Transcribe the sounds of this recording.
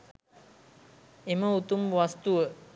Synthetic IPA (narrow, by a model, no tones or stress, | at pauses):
eməut̪umʋast̪uʋə